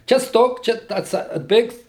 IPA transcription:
ˈt͡ʃʲɛ ˈstoːk ˈt͡ʃʲɛ tɐ ɐtˈsɐ ˈbʲeːks

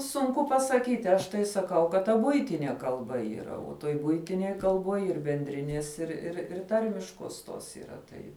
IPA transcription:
sʊŋˈkʊ pɐsɐˈkʲiːtʲɪ ˈɐʃ tɐɪ sɐˈkɐʊ kɐt tɐ ˈbʊɪtʲɪnʲiɛ kɐlˠˈbɐ iːˈrɐ oː toːj ˈbʊɪtʲɪnʲeːj kɐlˠˈbuɔj ɪr bʲɛnʲˈdʲrʲɪnʲiɛs ɪr ɪr ɪr ˈtɐrʲmʲɪʃkuɔs ˈtoːs iːˈrɐ ˈtɐɪ

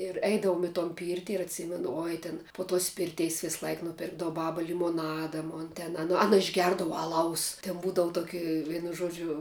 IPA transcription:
ɪr ˈɛɪdɐʋoːm ɪ toːn ˈpʲiːrʲtʲɪ ɪr ɐtʲˈsʲiːmʲɛnʊ ˈoːj tʲɪn poː toːs ˈpʲɪrʲtʲɛɪs ˈʋʲɪslˠɐɪk ˈnʊpʲɪrɡdɐʋʊ ˈbɑːbɐ lʲɪmoːˈnɑːdɐ moːn tʲɛn ɐˈnɐ ˈɑːnɐ ɪʒʲˈɡʲɛrdɐʋɐ ɐˈlˠɐʊs tʲɛn ˈbuːdɐʋʊ toːˈkʲɪ ˈʋʲiɛnʊ ˈʒoːd͡ʒʲʊ

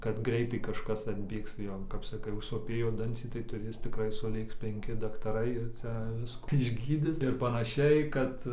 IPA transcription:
kɐt ˈɡrʲɛɪtɐɪ kɐʃˈkɐs ɐdʲˈbʲeːks ˈjoː kɐp sɐˈkɐɪ ʊʃsoːˈpʲeːjoː ˈdɐnʲt͡sʲiː tɐɪ tʊˈrʲeːs tʲɪkˈrɐɪ sʊˈlʲeːks pʲɛŋʲˈkʲɪ dɐktɐˈrɐɪ ɪr ˈt͡sʲɛ ˈʋʲɪskuː ɪʒʲˈɡʲiːdʲɪs ɪr pɐnɐˈʃʲɛɪ ˈkɐt

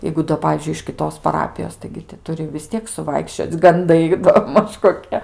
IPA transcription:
ˈjɛɪɡʊ doː ˈpɑːʋʲiːzʲd͡ʒʲʊɪ ɪʃ kʲɪˈtoːs pɐˈrɑːpʲɪjoːs tɐɪɡʲɪ tʲɪ ˈtʊrʲɪ ʋʲɪs ˈtʲiɛk sʊˈʋɐɪkʃʲt͡ʃʲoːt͡sʲ ɡɐnˈdɐɪ doː ˈmɐʃ koːˈkʲiɛ

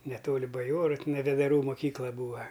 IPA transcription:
nʲɛˈtoːlʲɪ bɐˈjoːrʊ tʲɪˈnɐɪ ʋʲɛdɐˈruː moːˈkʲiːklˠɐ ˈbuːɐ

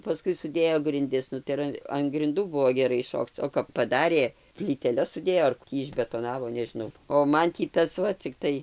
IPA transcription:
pɐˈskʊɪ sʊˈdʲeːjoː ɡrʲɪnʲˈdʲɪs ˈnʊ tɐɪ ɪr ˈɐn ɐn ɡrʲɪnˈduː ˈbʊʋoː ɡʲɛˈrɐɪ ˈʃoːkt͡s oː kɐp pɐˈdɑːrʲeː pʲlʲiːtʲɛˈlʲɛs sʊˈdʲeːjoː ɐr ˈtʲiː ɪʒʲbʲɛtoːˈnɑːʋoː nʲɛʒʲɪˈnɐʊ oː ˈmɐn tʲiː ˈtɐs ˈʋɐ t͡sʲɪkˈtɐɪ

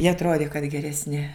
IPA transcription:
jiɛ ɐtˈroːdʲɪ kɐt ɡʲɛrʲɛsʲˈnʲɪ

